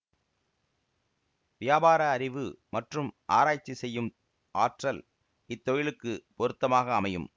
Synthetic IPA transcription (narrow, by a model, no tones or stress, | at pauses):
ʋɪjaːbaːɾɐːɾɪʋɯmɐʈrɯmʔaːɾaːjt͡ʃːisɛjːɯm | aːʈrɐl | ɪt̪ːɔjɪlɯkːɯpɔɾɯt̪ːɐmaːɣɐːmɐjɯm